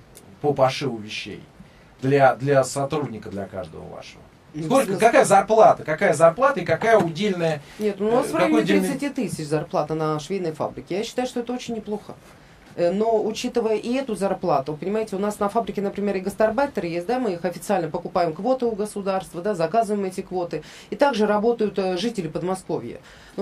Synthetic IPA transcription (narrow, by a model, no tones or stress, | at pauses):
pəpɐʂɨvˠʊvʲɪɕːḛj | d̪lʲad̪lʲɐsɐt̪ɾudʲnʲɪkəd̪lʲɐ̰ka̰ʐd̪ə̰və̰va̰ʂəvə̰ | okakajəzɐrplˠat̪əkakajəzarplˠat̪əɪkakajəʊdʲelʲnəjənʲe̞t̪ʊnasvɾvjj̪ʲɾɪɪsɨtʲit̪ːɨsʲɪt͡ɕzɐrplˠat̪nəʂvʲejnəjfa̰bɾʲɪkʲɪjaɕːɪ̥t̪ajʊʂt̪oɛt̪əot͡ɕɪnʲːɪplˠo̞xə | no̞ʊt͡ɕit̪ɨvəjəʔiɛt̪ʊzɐrplˠat̪ʊpənʲɪmajɪtʲɪʊnasnəfabɾʲɪkʲɪnəpɾʲɪmʲe̞ɾɨɡəst̪ɐrbat̪əɾɨjesʲt̚ʲd̪amɨixɐfʲɪt̪sɨalʲnəpəkʊpajɪmkvo̞t̪ɨʊɡəsʊd̪arst̪vəd̪azɐkazɨvəjɪmɛtʲɪkvo̞t̪ɨ | it̪aɡʐɨɾɐbo̞t̪əjʊt̪ʐɨtʲɪlʲɪpəd̪mɐsko̞vʲjə̰ | n